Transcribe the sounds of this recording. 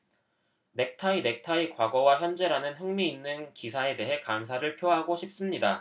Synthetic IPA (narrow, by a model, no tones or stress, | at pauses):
ne̞k̚tʰaine̞k̚tʰaikwaɡʌwaçjʌnd͡ʑe̞ɾanɯnɦɯŋmiːnːɯnkisʰae̞de̞ɦe̞kamsʰaɾɯɭpʰjoɦaɡoɕʰip̚s͈ɯmɲida